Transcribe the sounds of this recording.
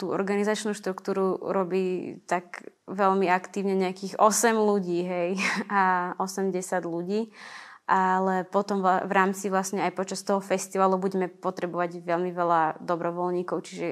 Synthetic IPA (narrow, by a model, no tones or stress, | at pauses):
t̪uːɔ̰ɾɡanizat͡ʃnuːʃt̪ɾukt̪uːɾuɾɔbiːt̪aɡʋɛʎmiakt̪iːʊɲɛɲɛakiːɣɔsɛmluɟiːɦɛjaɔsɛmɟɛsɪad̪luɟiːʔalɛpɔt̪ɔmʋaʋɾaːmt͡siʋlasɲɛajpɔt͡ʃast̪ɔɦɔfɛst̪iʋaːlubuɟɛmɛpɔt̪ɾɛbɔʋaɟʋɛlmiʋɛlad̪ɔbɾɔʋɔlɲiːkɔʊt͡ʃiʒɛ